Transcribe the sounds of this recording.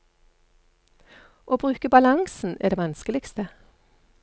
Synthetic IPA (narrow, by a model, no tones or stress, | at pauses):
ʔoːbʁʉːkəbɑlɑŋsn̩ɛ̰ːɖ̪eːʋɑnskəlɪkst̪ə